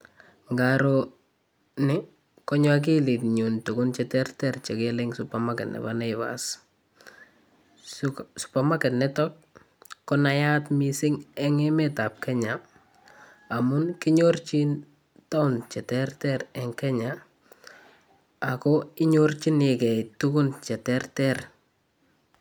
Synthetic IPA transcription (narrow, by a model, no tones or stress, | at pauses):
ŋɡaɾo | nɪ | kɔɲwak̬ilitɲuntukʊnt͡ʃɛtɛrtɛrt͡ʃekelɛŋsʊpamakɛtnɛ̰banɛɪβa̰s | su̥pamakɛtnɛtɔt̚ | kːɔnajatmisɪŋɛŋɛmɛtap̚kɛɲa | mʊnkiɲort͡ʃin | taunt͡ʃɛtɛrtɛɾɛŋkɛɲa | akɔɪɲort͡ʃinekɛtukunt͡ʃɛtɛrtɛr